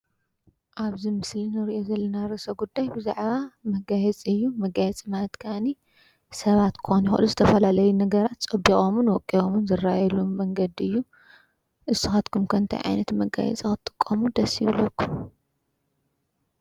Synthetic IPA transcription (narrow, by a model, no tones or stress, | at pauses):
ʔaβzimɨslinɨɾiʔo̞zɐlːɐnaɾɨsɐɡud̪ːajbɨzaʕβamɐɡajɛt͡sʼɨjːumɐɡajɛt͡sʼimalɐt̪kʰani | sɐβat̪kʰɨ̥xonjɪxʔɨluzɨt̪ʰɐfɐlalɐjunɐɡɐɾat̪sʼɐbikʼomɨnwɔkʼːiomunzɨrːajɛlumːɐŋɡɐd̪ɨjːu | ʔɨsːɨxat̪kʰumkʰɐnt̪ʰɐ̰jʕa̰jnɐt̪mɐɡa̰jɛ̰t͡sʼikɨt̪ʼɨ̥kʼːɐmud̪ɐsjɪβlɐkːum